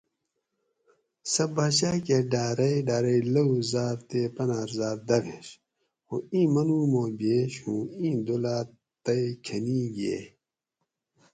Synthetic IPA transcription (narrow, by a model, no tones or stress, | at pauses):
sɐbaːɕakeɖaːɾɐjɖaːɾɐilɐuzaːɾt̪eːpɐnaːɾzaːɾd̪ɐɾeɕ | oĩːmɐnuːmoːbeːɕũːĩːd̪olaː | t̪ɐikʰɐniːɡḛ